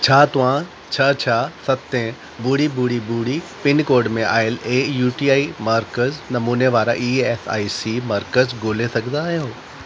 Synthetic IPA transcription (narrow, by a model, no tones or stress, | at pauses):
t͡ɕʰaːt̪ʊʋ̤ã | t͡ɕʰaːt͡ɕʰaːsɐt̪ẽ | buːɽibuːɽibuːɽipɪnkoːɾɖmẽʔa̰ːɪleːjuːʈiːaːimaɾkəznɐmuːneʋaːɾa̰ʔiːeːsa̰ːisimɐɾkəzɡoːlesɐɡʱnd̪aːɦijõː